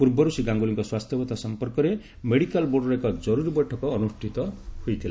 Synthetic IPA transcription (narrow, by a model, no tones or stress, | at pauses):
purbʌɾusiɡãŋɡuliŋkoswast̪ʰjʌbʌt̪asʌmpʌrkʌɾe | meɽikalboɽrʌkad͡zʌɾuɾbʌʈʰːʌkoːnuʂʈʰit̪ʌhujt̪ʰila